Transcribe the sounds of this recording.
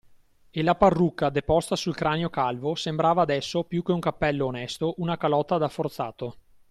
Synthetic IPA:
elaparːukːad̪epɔst̪asulkɾaːneokalvosembɾaːvaːd̪ɛsːopjuk̟euŋkapːɛlːoːnɛst̪oʔunakalɔt̪ːad̪afːort̪sa̰ːt̪o

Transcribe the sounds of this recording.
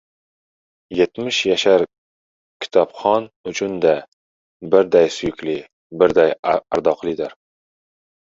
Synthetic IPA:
je̞t̪mɪʃjaʃaɾ | kʲʰɪ̥t̪ʰɒpχɒnʊt͡ʃʰʊnd̪a | bɪɾd̪ajsʊjʊkʲlɪ | bɪɾd̪ajaaɾd̪ɒqlˠɪd̪aɾ

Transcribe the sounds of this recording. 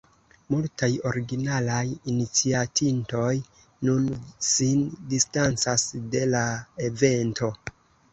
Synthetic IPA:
multajo̞ɾiɡinalajinit͡siatʰinto̞j | nunsindistant͡sasde̞laeve̞ntʰo̞

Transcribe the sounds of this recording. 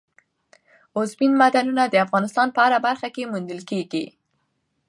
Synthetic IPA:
ʊzbinmad̪anunad̪əafɣɑnɪst̪ɑnpəaɾabaɾxakemund̪əlkeɡi

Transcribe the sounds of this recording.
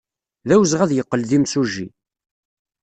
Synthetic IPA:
ðæwzʁæðjəqːəlðimsuʒːi

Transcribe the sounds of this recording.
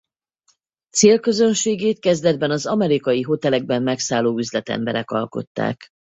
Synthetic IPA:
t̪seːlkø̞zø̞nʃeːɡeːt̪̚kɛzd̪ɛd̪̚bɛnɒzɒmɛɾikɒjiɦo̞t̪ɛlɛɡ̚bɛmːɛksaːloːyzlɛt̪ɛ̰mbɛɾɛkɒlko̞̰t̪ːa̰ːk

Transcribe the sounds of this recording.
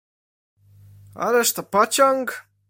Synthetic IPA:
a̰lɛʂt̪ɔpat͡ɕɔŋk

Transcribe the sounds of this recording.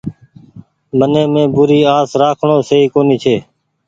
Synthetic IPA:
mənẽːmẽːbʊɾiːaːsɾaːkʰɳõːseːiːkoːniːt͡ʃʰeː

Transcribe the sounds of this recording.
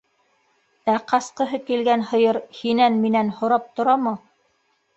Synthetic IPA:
æqɑsqɤ̆ɦɤkilɡænhɤ̆jɤɾhinænminænhŏɾɑp̚t̪ŏɾɑmɤ

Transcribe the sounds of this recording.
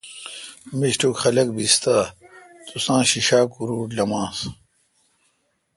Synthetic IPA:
miɕʈukxɐlɐk̚bist̪aː | t̪usãːɕiɕaːkuɾuːlɐmãːs

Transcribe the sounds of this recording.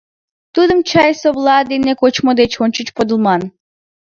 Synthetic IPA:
t̪ud̪əmt͡ɕɑjsoblˠɑd̪enekot͡ɕmod̪et͡ɕonʲt͡ɕət͡ɕpod̪ə̆lˠmɑn

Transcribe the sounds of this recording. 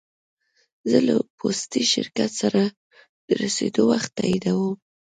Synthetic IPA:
zələpʰost̪iʃɪ̰ɾkat̪saɾa | d̪̥əɾased̪owaxt̪ːajid̪awum

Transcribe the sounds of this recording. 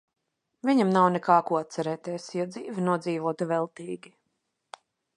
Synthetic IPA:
vʲiɲamnawnɛkaːkuɔat̪t̪sɛɾɛːt̪ɛːsjɔd̪ziːvinuɔd̪ziːvuɔt̪uvɛlˠt̪iːɡʲi

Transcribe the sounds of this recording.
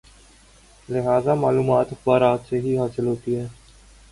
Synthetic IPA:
lɪɦaːzamaːluːmaːt̪ɪxbaːɾaːt̪seɦiɦaːsɪlɦoːt̪iɦɛː

